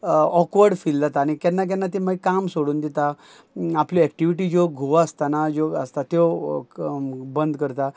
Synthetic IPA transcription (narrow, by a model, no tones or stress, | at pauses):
ɔkʋəɾɖfild̪at̪aːñikɛ̃nːak̬ɛ̃nːat̪̬iməɡkamsoɽuːnd̪et̪a | apliɛk̚ʈiʋiʈid͡ʑoɡʱoʋəst̪anad͡ʑoə̰st̪at̪o | bənd̪kəɾt̪a